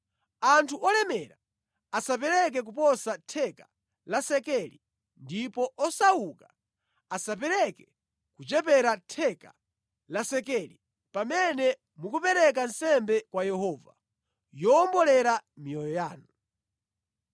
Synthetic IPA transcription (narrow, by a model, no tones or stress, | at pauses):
antʰuʔɔlɛmɛɾa | asap̬ɛɾɛk̬ɛk̬upɔsatʰɛkḁ | lasɛkɛlḭ | ndipɔʔɔsauka | asapɛɾɛkɛ̥ | kut͡ʃɛpɛɾatʰɛka | lasɛkɛli | pamɛnɛ | mukupɛɾɛk̬ansɛmbɛkwajɛhɔːva̰ | jɔmbɔlɛɾamiɔjɔjaːnu